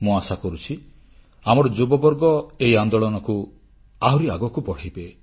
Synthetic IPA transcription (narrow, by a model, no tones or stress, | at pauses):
mũasakɔɾut͡ʃʰi | amɔɾɔd͡ʒubɔbɔɾɡɔeiand̪ɔɭɔnɔku | aɦuɾiaɡɔkupɔɽ̤ajbe